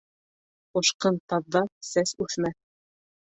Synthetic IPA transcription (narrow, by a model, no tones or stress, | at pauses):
ŏʃqɤnt̪ɑðːɑsæsʉθmæ